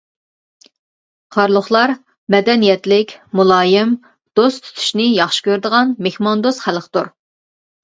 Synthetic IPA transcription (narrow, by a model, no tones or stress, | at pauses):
qʰɑɾlˠʊχlˠɑɾ | mɛd̪ɛnijɛt̪lɪkʲmulˠɑːjɪm | d̪̥ost̪ʰy̥t̪ʰy̥ʃnɪjɑχʃɪ̥kʲøɾd̪əʁɑnmexmɑnd̪osχælqt̪uɾ